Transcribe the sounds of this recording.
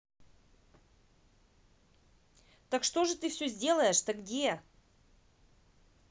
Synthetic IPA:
t̪əkʂt̪oʐɨt̪ɨfsʲɵzʲdʲe̞lˠəjɪʂt̪əɡdʲe

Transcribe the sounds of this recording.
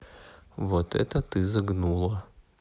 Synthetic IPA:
vot̪ɛ̰t̪ɐt̪ɨzɐɡnulˠɐ

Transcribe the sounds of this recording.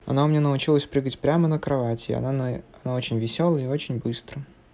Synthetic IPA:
ɐ̰naʊmɪnʲenəʊt͡ɕilˠəsʲpɾɨɡətʲpɾʲamənəkɾɐvatʲɪ̰ɐ̰ɐnao̞t͡ɕɪnʲvʲɪsʲolˠəɪot͡ɕɪnʲbɨst̪ɾə

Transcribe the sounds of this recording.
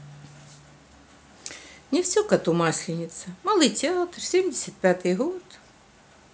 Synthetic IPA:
nʲɪfsʲɔkɐt̪umasʲlʲɪnʲɪt̪sɐmalˠɨjtʲɪat̪rsʲemdʲɪsʲɐt̪̚pʲat̪ɨjɦot̪

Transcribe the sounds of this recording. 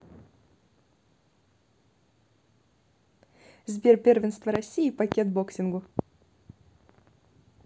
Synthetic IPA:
zbʲe̞rpʲervʲɪnst̪vəɾɐsʲːijipɐkʲet̪boksʲɪnɡu

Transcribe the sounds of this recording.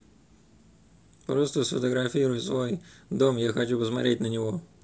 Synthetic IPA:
pɾɔst̪ɔsfɔt̪ɔɣɾɐfʲiɾʊjʊsʋɔjd̪ɔmjaxɐt͡ʃʲubɔzma̰ɾʲɪtʲnɐnʲɔɦɔ

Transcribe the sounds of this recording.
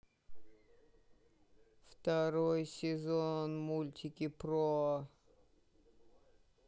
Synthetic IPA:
ft̪ɐɾojsʲɪzonmulʲtʲɪkʲɪpɾo

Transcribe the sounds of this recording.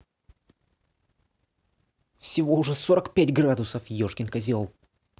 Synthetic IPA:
fsʲɪvo̞ʊʐɛso̞ɾəkpʲætʲɡrad̪ʊsəfjoʂkʲɪnkɐzʲolˠ

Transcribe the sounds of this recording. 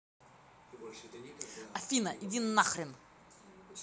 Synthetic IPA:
ɐfʲinɐʔidʲinːaxɾʲɪn

